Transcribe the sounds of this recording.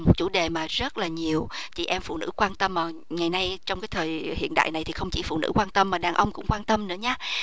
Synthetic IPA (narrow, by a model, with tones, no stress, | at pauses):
mo˨˩t̚t͡ɕu˧˩ɗe˨˩maː˨˩zə˦˥t̚laː˨˩ɲi˨˩əwt͡ɕḭ˧˩˨ʔɛ˧mfṵ˧˨nɨ̰˧˥kwaː˧nt̪ə˧mːaː˨˩ŋa˨˩jna˧jt͡ɕɔ˧wŋ͡mkaː˨˦jt̪ʰəː˨˩jhḭ˧˨ənɗa̰ː˧˨jna˨˩jt̪ʰi˨˩xə˧wŋ͡mt͡ɕi˧˩fṵ˧˨˩nɨ̰˧˥kwaː˧nt̪ə˧mːaː˨˩ɗaː˨˩ŋʔə˧wŋ͡mkʊ̰˧˥ŋ͡mkwaː˧nt̪ə˧mnɨ̰˧˥əɲaː˨˦